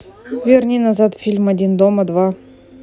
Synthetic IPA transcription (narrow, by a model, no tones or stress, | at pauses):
vʲɪrʲnʲinazat̪fʲilʲmadʲind̪oməd̪va